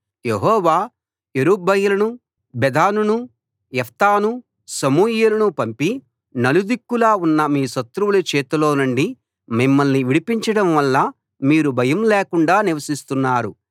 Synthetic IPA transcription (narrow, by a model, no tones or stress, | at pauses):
jeɦɔːʋaː | eɾubɐjɐlɐnu | bed̪aːnunu | jɛft̪aːnu | sɐmuːjeːlɐnupɐmpi | nɐlud̪ikːulaːunːɐmiːʃɐt̪ɾuwulɐt͡ʃɛːt̪ulo̞ːnuɳɖi | mimːɐlniʋiɽipiɲt͡ʃɐɽɐmʋɐlːɐ | miːɾubʱɐjɐmleːkuɳɖaːniʋɐsist̪unːaːɾu